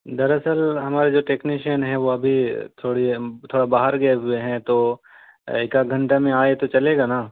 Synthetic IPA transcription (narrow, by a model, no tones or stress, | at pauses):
d̪ɐɾɐsəlɦɐmaːɾed͡ʒoːʈeːkniʃənɦɛ̃ʋoɐbʱit̪ʰoːɽit̪ʰoːɽabaːɦəɾɡɐeɦʊeɦɛ̃t̪oː | ɪkaɡʱɐ̃ɳʈamẽaːet̪ot͡ʃɐleːɡaːnaː